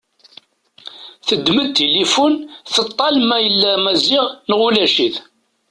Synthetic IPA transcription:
θəd̪ːməd̪̚t̪ːelifunθət̪ˤːɑlmæjəlːæmæziʁnʁulæʃiθ

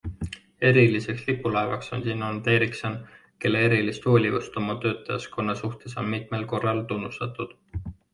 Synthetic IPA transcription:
e̞ɾilise̞kslipːˑulɑevɑkso̞̰nsinːont̪e̞ɾikso̞n | ke̞lːeeɾilist̪hoːlʲivust̪o̞mɑt̪ø̞ːt̪ːˑɑjɑsko̞nːɑsuht̪e̞so̞̰nmit̪me̞lko̞rːɑlt̪unːust̪ɑt̪ːˑud̪̥

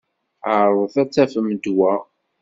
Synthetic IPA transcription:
əɾˤðˤθæt͡sːæfəmd̪wæ

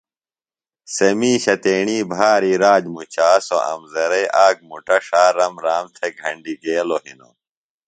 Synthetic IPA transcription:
sɐmiːɕɐt̪eːɳiːbʱaːɾiɾaːd͡ʑmut͡ɕaːso̰ʔɐ̰mzɐɾɐjʔaːk̚muʈɐʂaːɾɐmɾaːmt̪ʰeɡʱɐɳɖiɡeːlohino̰

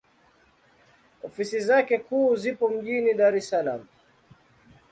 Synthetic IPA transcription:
ɔfisizakɛkuːzipɔm̩ʄiniɗaɾɛsalam̩

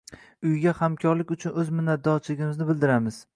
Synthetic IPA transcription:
ʊjɡʲahamkʰʲɒɾlɪkʲʊt͡ʃʰʊnɵzmʊnːad̪ːɒt͡ʃʰɪlɪɡʲɪmɪznɪbɪld̪ɪɾamɪz̥

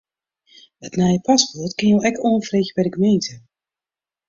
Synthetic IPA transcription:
ətnɛjəpaspɔrtkɪnjolɛkʰoːnfreːxbɛdəɡəmentə

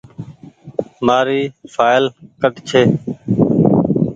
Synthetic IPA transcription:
maːɾiːfʰaːɪlkəʈt͡ʃʰeː

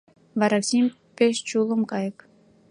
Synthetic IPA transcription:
vɑɾɑksimʲ | pʲeʃt͡ɕulˠə̆mkɑjə̆k

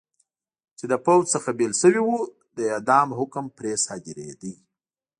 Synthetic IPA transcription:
t͡ʃed̪əpawd͡ʒsəxabelʃəwiwu | d̪əed̪ɑmɦʊkmpɾesɑd̪ɪɾḛd̪i

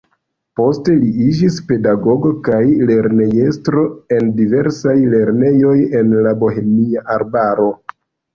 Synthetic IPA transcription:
po̞ste̞liid͡ʒispe̞daɡo̞ɡo̞kajle̞ɾne̞je̞stɾo̞e̞ndive̞ɾsajle̞ɾne̞jo̞je̞nlabo̞ɦe̞miaʔaɾbaɾo̞

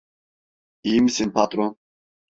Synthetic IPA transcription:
iːmsinpʰat̪ʼɾɔ

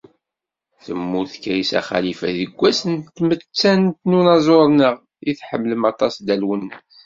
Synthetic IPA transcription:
θəmːuɾθkæjisæ̰χæ̰lifæðəɡʷːæsənt̪ːmət͡sːænt̪nunɑzˤoɾˤnəʁ | iθħəmːləmɑt̪ˤɑsd̪ælwənː

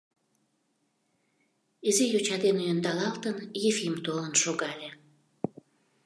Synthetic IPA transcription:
izejot͡ɕɑd̪enujənd̪ɑlɑlt̪ənjefimt̪olənʃoɣɑlʲe

